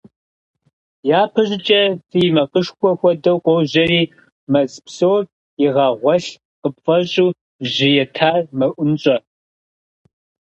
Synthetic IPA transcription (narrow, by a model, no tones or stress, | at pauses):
jaːpʰɐʑɪt͡ʃʼɐz̥iːmɐqʼəʃkʷʰɔxʷɔdɐwqʷɔwʑɐriː | mɐzpsowr | jɪʁɑːʁʷɔɬ | qəpfʼɐɕʼuː | ʑɪjɛtʰaːrmɐʔʷʊnɕʼɐ